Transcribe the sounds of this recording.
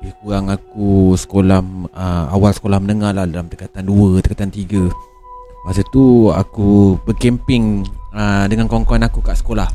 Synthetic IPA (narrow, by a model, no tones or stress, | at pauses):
bikuɾaŋak̚usə̥kolahməa̰walsə̥kolahmənəŋahlahdalamt̪əkat̪anduət̪əkat̪ant̪iɡə | masat̪ua̰kubəkɛmpɪŋədəŋankɔŋkɔnakukaʔsə̥kolah